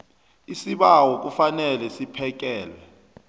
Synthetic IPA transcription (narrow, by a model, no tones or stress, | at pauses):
isiɓawɔk̬ufanɛlɛsipʰɛk̬ɛːlɛ